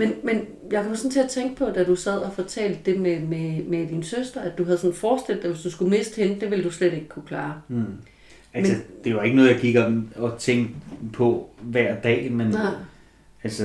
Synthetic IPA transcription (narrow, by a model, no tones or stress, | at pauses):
menmen | jäɪkʰɒ̽msɒ̽nt͡sʰe̝ɐt͡sʰeŋɡ̥əpʰɒ̽d̥æd̥usæð̞̰ˠɒfɒ̽t͡sʰɛ̰ːld̥ːe̝mememed̥insøsd̥ʁɐæd̥d̥uɦæð̞ˠsɒ̽nfɒːsd̥el̰d̥eʋe̝sd̥usɡ̥ume̝̰ːsd̥henəd̥e̝ʋe̝ld̥usleɾe̝ɡ̥ə̥kʰukʰlɑ̈ː | ælmeəd̥e̝jae̝ɡənɔ̽ːðˠjɑ̈kʰiɡ̥ɐd̥emɒ̽t͡sʰeŋɡ̥pʰɒ̽ʋæɐ̰d̥ɛ̰ːmen̰ | ælsə